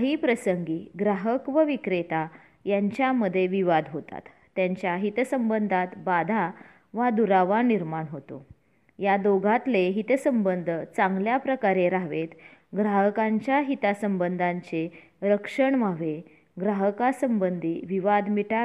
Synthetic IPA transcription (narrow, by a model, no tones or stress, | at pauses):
ɦiːpɾəsəŋɡiːɡɾaɦəkʋəʋikɾet̪a | jaɲt͡ɕjaməd̪ʱːjeʋiʋad̪ʱɦot̪a̰t̪ːjaɲt͡ɕjaɦit̪səmbənd̪ʱat̪bad̪ʱa | ʋad̪uɾaʋaniɾmaɳɦot̪o̰ | jad̪oɡʱat̪leɦit̪səmbənd̪ʱət͡saŋɡljapɾəkaɾeɾaɦʋet̪ | ɡɾaɦəkaɲt͡ɕjaɦit̪asəmbənd̪ʱãɲt͡se | ɾəkʂəɳʋaʋe | ɡɾaɦəkasəmbənd̪ʱiʋiʋad̪miʈa